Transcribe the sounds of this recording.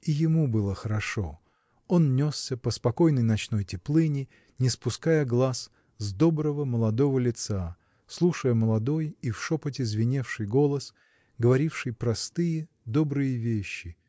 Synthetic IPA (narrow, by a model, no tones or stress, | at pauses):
ijɪmubɨlˠəxəɾɐʂo̞ | o̞nnʲo̞ssʲəpəspɐko̞jnəjnɐt͡ɕno̞jtʲɪplˠɨnʲɪ | nʲɪspʊskajəɡlˠas | zd̪o̞bɾəvəməlˠɐd̪o̞vəlʲɪt̪sa | slˠuʂəjəməlˠɐd̪o̞jifʂopətʲɪzvʲɪnʲefʂɨjɡo̞lˠəs | ɡəvɐɾʲifʂɨjpɾɐst̪ɨjə | d̪o̞bɾɨjəvʲeɕːɪ